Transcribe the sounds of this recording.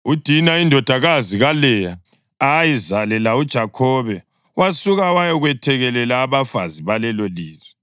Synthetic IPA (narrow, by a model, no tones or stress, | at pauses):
ud̥ʱinaindʱɔd̥ʱaɣaziɣalɛja | ajizalɛlaud̥ʒ̥ʱakʰɔːβɛ | wasuɣawajɛɣwɛtʰɛɣɛlɛlaːβafaziβalɛloliːzwɛ